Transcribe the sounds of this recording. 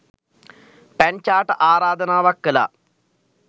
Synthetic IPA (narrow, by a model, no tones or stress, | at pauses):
pɐnt͡ʃaːʈɨʔaːɾaːd̪ɐnaːʋɐkːɐlɐ̰